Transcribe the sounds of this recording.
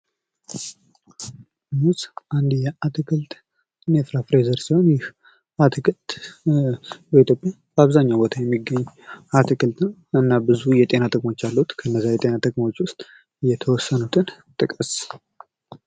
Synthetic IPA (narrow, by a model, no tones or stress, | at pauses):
musʔand̪jɛʔat̪ʰɨkʰɨlt̪ʼ | ɨnefɾafɾezəɾsiho̞njɪh | at̪ʰɨkʰɨlt̪ | bəit̪ʰjo̞pʼja | b̥əaβzaɲːawbo̞t̪ʰajɛmːiɡːəɲːat̪ʰɨkʰɨlt̪ɨnɨnːabɨzujɛt̪ʼe̞nat̪ʰʼəkʼmo̞t͡ʃːalːəhut̪kʰəɨnːəzːajɛt̪ʼe̞nat̪ʰʼɨkʼmo̞t͡ʃːwʊst̪ʼ | jɛt̪ʰəwɔsːənut̪ʰɨn | t̪ʼɨkʼəs